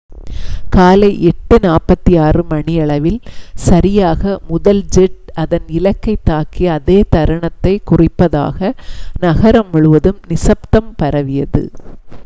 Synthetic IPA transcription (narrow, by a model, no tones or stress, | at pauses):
kaːlɐɪʔɛʈːɯnaːpɐt̪ːijaːrɯmɐɳɪjɐɭɐʋɪlsɐɾɪjaːɣɐmʊðɐld͡ʒɛʈ̚ɐðɐnɪlɐkːɐɪt̪ːaːkiɐðeːt̪ɐɾɐɳɐt̪ːɐɪkʊrɪpːɐða̰ːɣɐnɐɣɐɾɐmːʊɭɯʋɐðɯmnɪsɐp̚t̪ɐmpɐɾɐʋɪjɐðɯ̰